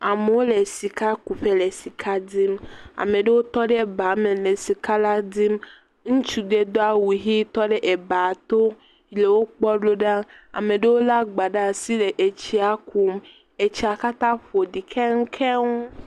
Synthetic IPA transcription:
a˨me˨wo˦le˨si˨ka˦ku˨ɸe˦le˨si˨kʰa˦d̪i˦ma̰˨mẽ˨ɖe˦wo˦t̪ɔ˦ɖe˦˨ba˨˦me˨le˨si˨ka˦la˦di˦m | ŋũ˦t͡ʃu˦d̪e˦d̪o˦a˦wu˨ɦi˦t̪ɔ˦ɖe˦ʔe˨ba˨t̪o˦ | i˨le˨wo˦k͡pɔ˦ɖo˦ɖa˦a̰˨me˨ɖe˦wo˦la˦ɡ͡ba˨ɖa˦si˦le˨ʔe˨t͡ɕi˦a˨kʰu˨m | e˨t͡ɕi˨a˨ka˦t̪ã˦ɸo˨ɖi˨kʰɛ˦ŋ̩˦kʰɛ˦ŋu˦

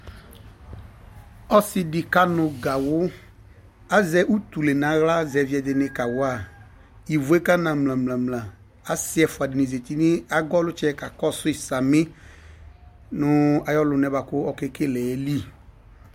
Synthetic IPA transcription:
ɔ˦sɪ˨dɪ˨ka˦nʊ˨ɡa˨wʊ˦ | a˦zɛ˧ʔu˦t̪u˨le˨nã˨˦ɣla˦zɛ˨vi˨˦ɛ˨dɪ˨nɪ˧ka˨wʊ˦a˨ | i˨vu˨˦e˦ka˦nã˨mlã˨mlã˨mlã˨ | a˦sɪ˦ɛ˨fʊ˨a˨dɪ˨ni˨ze˨ti˦nɪ˦a˦ɡɔ˦lʊ˦t͡ʃɛ˦ka˨kɔ˦sʊ˦ɪ˨sa˨mɪ˦ | nʊ˨˧a˨jɔ˦lʊ˨nɛ˨ba˨kʊ˦ɔ˦ke˦ke˦lɛ˨˦li˦

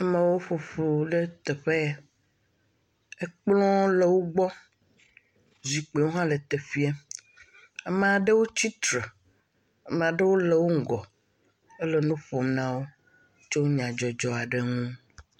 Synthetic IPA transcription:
a˦mẽ˨wo˦ɸo˨fo˨ɖe˦t̪e˨ɸe˦ | e˦k͡plɔ̃˦le˨wo˦ɡ͡bɔ˦ | zi˨k͡pe˨wo˦ɦã˦le˨t̪e˨fi˦a˦ | ɛ˦me˨a˨ɖe˦wo˦t͡ɕi˦t̪ɾe˨ | e˦mẽ˨a˨ɖe˦wo˦le˨wo˦ŋ̩˦˨ɡɔ˨ | e˦le˨nũ˦ɸo˨mnã˦wo˦ | t͡ʃe˦wo˦ɲã˨d͡ʒɔ˨d͡ʒɔ˨a˨ɖe˦ŋũ˦

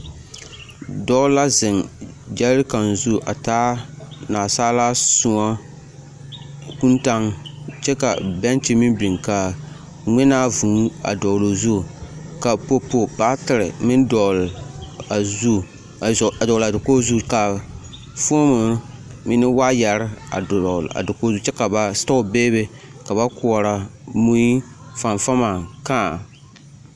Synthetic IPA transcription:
dɔ˦la˦zɪ˨ŋ | d͡ʒɛ˦ɾɨ˦ka˨nzu˦ʔa˨taː˦naː˨saː˦laː˦sʊ˦ŋa˦ | ku˦nta˦ŋ | t͡ʃɛ˦ka˨bɛ˦nt͡ʃi˦mi˦bi˨ŋka˨ | ŋʷɛ˦naː˦vu˨˦a̰˨dɔ˨lo˨zu˦˨ka˨po˦po˨baː˦tɪ˨ɾɨ˨mɪ˦n˦dɔ˨la˨zu˦˨ | dɔ˨la˨dɪ˨ko˦zu˦ka˨ | fuː˦mʊ˨˦mɪ˦nɪ˦wa˦ja˨ɾɪ˦a̰˨la̰˨dɪ˨ko˦zu˦t͡ʃɛ˦ka˨ba˨stɔ˦ʊ˨beː˦be˦ | ka˨ba˦kʊ˨ɔ˨ɾa˨mu˦i˦fa˨ɱfa˦ma˨kaː˦˨

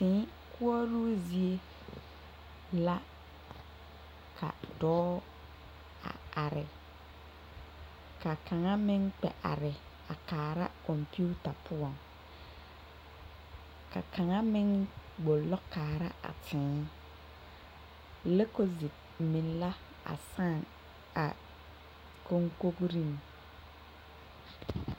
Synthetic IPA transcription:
tɪ̃ː˨˦ | ku˦ɔ˦ɾuː˦zi˨e˦ | la˦ | kʰa̰˨dɔː˦ | a̰˨a˨ɾɪ̰˨ | ka˨ka˨ŋa˦mɪ˦ŋk͡pɛ̰˨ʔa̰˨ɾɪ˨ | a˨kaː˨ɾa˦kɔ˨mpu˦ta˨pʰʊ˦a˨ŋ | ka̰˨kʰa˨ŋa˦mɪ˦ŋɡ͡bo˨lɔ˦kaː˨ɾa˦ʔa̰˨tʰɪ̃ː˨˦ | le˦ko˦zi˨p | mɪ˨n˦la˦ | a̰˨sa˦˨ŋ | a̰˨ | ko˦ŋko˦kɾi˦ŋ

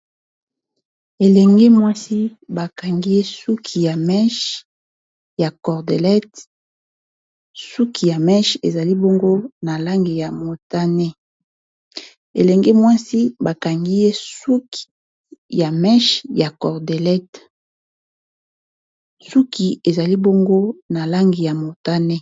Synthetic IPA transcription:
e˨lɛ˨ŋɡe˦mwa˦si˦ba˨ka˨ŋɡi˦je˦su˦kʰi˨ja˨mɛ˦ʃ | ja˨kɔ˨ʁde˨lɛ˦t | su˦kʰi˨ja˨mɛ˦ʃḛ˨za˨li˦bo˦ŋɡo˦na˨la˦ŋɡi˨ja˨mo˨ta˦ne˦ | ḛ˨lɛ˨ŋɡe˦mwa˦si˦ba˨ka˨ŋɡi˦je˦su˦ki̥˨ | ja˨mɛ˦ʃja˨kɔ˨ʁde˨lɛ˦t | su˦kʰi˨e˨za˨li˦bo˦ŋɡo˦na˨la˦ŋɡi˨ja˨mo˨ta˦nɛ˦

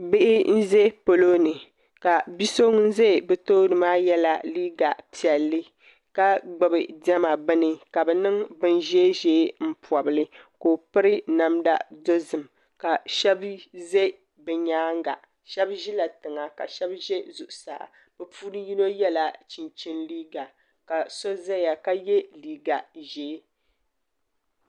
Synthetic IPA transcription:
bɪ˦ʔɪ˦n̩˦ze˦po˨lo˦nɨ˨ | ka˨bi˦so˦ŋ˦n̩˦ze˦˨bɛ˨toː˦nɨ˨maː˦jɛ˦la̰˨liː˦ɡa˨pi˨ɛ˨lːɨ˦ | ka˦ɡ͡bɨ˨bɨ˨dɛ˦ma˨bɨ˦nɨ˨ka˨bɛ˨nɨ˦ŋbɨ˦nʒe˦ʒeː˦m̩˦pɔ˨bɨ˨lɨ˦koː˨pɨ˦ɾɨ˦na˨mda̰˦do˦zɨ˨m | ka˨ʃɛ˦bze˦ | bɛ˨ɲaː˦ŋɡa̰˨ʔ | ʃɛ˦bʒi˦la˨tɨ˨ŋa˨ka̰˨ʃɛ˦bʒe˦zu˨ʔʊ˨sa̰˨ʔa̰˨ | bɛ˨pu˦nɨ˦ji˦no˦jɛ˦la˨t͡ʃi˨nt͡ʃɪ˦nliː˦ɡa˨ | ka˨so˦zɛ˦ja˨ka˦jɛ˦liː˨ɡa˨ʒeː˨˦

